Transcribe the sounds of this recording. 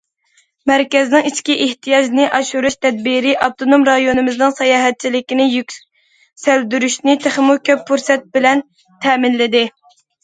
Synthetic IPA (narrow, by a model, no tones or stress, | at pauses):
mæɾkʲɛznɪŋit͡ʃʰkʲiʔeht̪ʰijɑd͡ʒnɪʔɑʃuɾuʃt̪ʰɛd̪̚biɾɪʔɑp̚t̪onomɾɑjonɨmɪznɨŋsɑjɑːɦɛt̪̚t͡ʃʰilɪkʲinɪjykʲ | sæld̪yɾyʃnɪt̪ʰeχɪmukʲʰøpːuɾsɛt̪̚bɪlɛn | t̪ʰɛːmɪnlɪd̪ɪ